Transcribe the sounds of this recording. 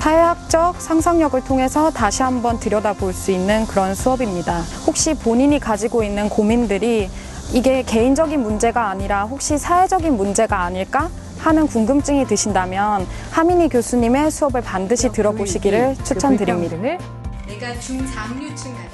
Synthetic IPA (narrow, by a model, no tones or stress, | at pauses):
tʰaak̚t͡ɕ͈ʌk̚sʰaŋsʰaŋɲʌɡɯɭtʰoŋɦe̞sʰʌtaɕʰiɦambʌntɯɾjʌdaboɭs͈uinːɯnkɯɾʌnsʰuʌbimɲidahok̚ɕ͈ipoɲiɲikad͡ʑiɡoinːɯnkomindɯɾi | iɡe̞ke̞ind͡ʑʌɡinmund͡ʑe̞ɡaːɲiɾaɸok̚ɕ͈isʰae̞d͡ʑʌɡinmund͡ʑe̞ɡaːɲiɭk͈a | hanɯnkuŋɡɯmt͡ɕ͈ɯŋitɯɕʰindamjʌn | hamiɲikjosʰuɲime̞sʰuʌbɯɭpandɯɕʰitɯɾʌboɕʰiɡiɾɯɭt͡ɕʰut͡ɕʰʌndɯɾimɲida